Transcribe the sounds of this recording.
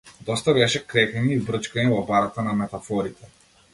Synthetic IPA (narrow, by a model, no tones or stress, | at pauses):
d̪ɔst̪abɛʃɛkɾɛkɛɲɛibɾɤt͡ʃkaɲɛvɔbaɾat̪anamɛt̪afɔɾit̪ʰɛ